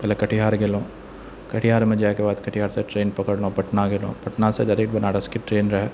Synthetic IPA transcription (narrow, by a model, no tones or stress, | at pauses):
pɛːlekɐʈʰiɦaːɾɡelõː | kɐʈʰiɦaːɾmẽd͡ʒaːekebaːd̪kɐʈʰiɦaːɾseʈɾeːnpɐkəɽlõpɐʈnaɡelõ̰ːpɐʈnased̪ɐɾiːʈbɐnaːɾəskiʈɾeːnɾɐɦɛ